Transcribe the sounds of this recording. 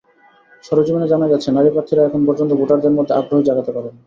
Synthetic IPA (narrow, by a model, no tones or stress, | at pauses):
ʃɔɾod͡ʑomoned͡ʑanad͡ʑat̪ːɕʰenaɾipɾaɾt̪ʰiɾaɛkʰonpɔɾd͡ʑont̪̬oboʈaɾd̪eɾmod̪ʱːeabɾoɦod͡ʑaɡat̪epaɾen